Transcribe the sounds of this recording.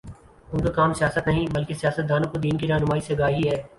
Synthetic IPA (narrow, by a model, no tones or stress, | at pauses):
ʊnkakaːmsɪjaːsət̪nɐɦĩbɐlkesijaːsət̪̚d̪aːnõkod̪iːnkiɾɐɦnʊmaːiseɐɡaːɦiɦɛː